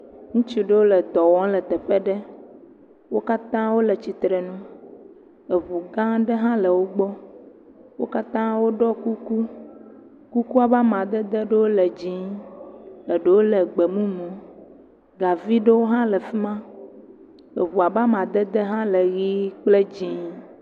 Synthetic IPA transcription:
ŋũ˦t͡ʃi˨ɖe˦wo˦lɛ˨d̪ɔ˨wɔ̃˦lɛ˨t̪ɛ˨ɸɛ˦ɖɛ˦ | wo˦ka˦t̪ã˦wo˦le˨t͡ɕi˨t̪ɾɛ˨nũ˦ | e˨βu˨ɡã˦ɖɛ˦ɦã˦lɛ˨wo˦ɡ͡bɔ˦ | wo̰˦ka˦t̪ã˦wo˦ɖɔ˦ku˦ku˦ | ku˦ku˦a˨ba˦mã˨d̪ɛ˦d̪e˦ɖe˦wo˦lɛ˨d͡ʑĩ˦ | ə˨ɖe˦wo˦lɛ˨ɡ͡be˨mũ˦mũ˨ | ɡa˨vi˦ɖe˦wo˦ɦã˦lɛ˨fi˦mã˦ | e˨βu˨a˨ba˦mã˨d̪ɛ˦d̪ɛ˦ɦã˦le˨ɣi˦k͡ple˦d͡ʑĩ˦

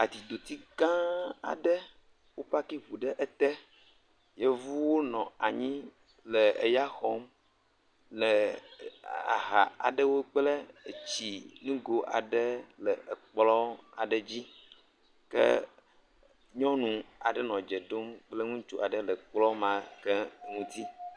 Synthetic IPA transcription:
a˨t̪i˨d̪o˨t̪i˦kã˦a̰˨ɖə˦ | wo˦ɸa˦ki˦ɸu˨ɖə˦ʔe˦t̪ɛ˦ | je˦vu˦wo˦nɔ̃˨a˨ɲĩ˦ | lə˨e˨ja˦xɔ˦m | lə˨ | a̰˨ɦa̰˨a̰˨ɖə˦wo˦k͡plə˦e˨t͡ɕi˨nũ˦ɡo˨ʔa˨ɖə˦lə˨k͡plɔ˦a˨ɖə˨d͡ʑi˦ | kə̰˦ | ɲɔ̃˦nũ˨a˨ɖə˦nɔ̃˨d͡ʒə˨ɖo˦mk͡plə˦ŋũ˦t͡ʃu˦a˨ɖə˦lə˨k͡plɔ˦mã˨kə˦˨ŋũ˦t̪i˦

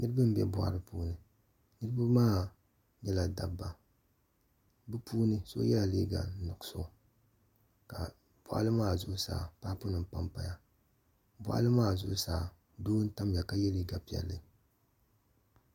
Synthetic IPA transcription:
nɨ˦ɾɨ˦bɨ˦m˦bɛ̰˦bʊ˨ʔa̰˨ɾɨ˦puː˦nɨ˨ | nɨ˦ɾɨ˦ba˦maː˦ | ɲɛ˦la˨da˨bːa˨ | bɨ˦pʰuː˦nɨ˦so̰˦jɛ˦la˨li˦ɡa̰˨n̩˦nɨ˨ksʊ˦˨ | ka˨ | b̥ɔ˨ʔa̰˦lɨ˦maː˦˨zʊ˦ʔsa̰ː˨paː˦pʊ˦nɨ˨m̩˨pa˦mpa˨ja˦˨ | bʊ̰˨ʔa̰˦lɨ˦maː˦˨zʊ̰˦ʔsaː˨ | doː˦n̩˦ta˦m˨a˨ka˦jɛ˦liː˦ɡa˨pi˨˦ɛ̰˨lːɨ˨

